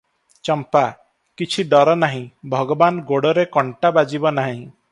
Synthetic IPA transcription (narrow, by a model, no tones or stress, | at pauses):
t͡ʃɔmpa | kit͡ʃʰiɖɔɾɔnaɦĩbʱɔɡɔbanɡoɽɔɾekɔɳʈabad͡ʒibɔnaɦĩ